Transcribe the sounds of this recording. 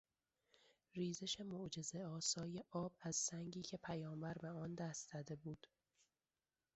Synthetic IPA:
riːzeʃe̞moʔd͡ʒe̞zeɒːsɒːjeʔɒːbæz̥sæŋɟiːcʰe̞pʰæjɒːmbæɾbeɒːnd̪æst̪z̥æd̪e̞buːd̪̥

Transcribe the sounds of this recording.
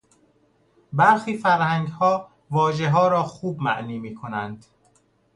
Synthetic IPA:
bæɾxiːfæɾhæŋɡhɒː | vɒːʒeɦɒːɾɒːxuːbmæ̰ʔniːmiːkʰonænd̪̥

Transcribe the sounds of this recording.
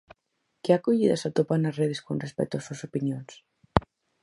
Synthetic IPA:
keakoʎiðasat̪opanazreðeskonrespɛ̰k̚t̪uasusopinjons

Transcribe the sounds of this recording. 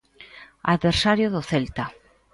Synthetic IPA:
aðβeɾsaɾjoðʊθelt̪a

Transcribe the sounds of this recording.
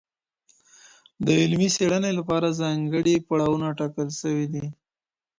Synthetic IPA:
d̪əɪlmiseɽənelapɑɾazɑŋɡəɽipaɽawunaʈɑkəlʃəwid̪i

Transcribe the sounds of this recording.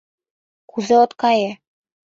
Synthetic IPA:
kuzɘot̪kɑje

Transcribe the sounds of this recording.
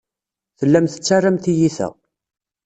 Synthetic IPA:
θəlːæmθə̥t͡sːarːæmt̪ijiθæ̰

